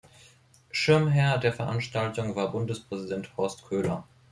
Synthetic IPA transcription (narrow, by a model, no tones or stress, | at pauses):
ʃɪɐmɦɛɐdeːɐfɛɐʔanʃtaltʊŋvaːɐbʊndəspʁ̥ɛzidɛnthɔɐstkʰøːlɐ̰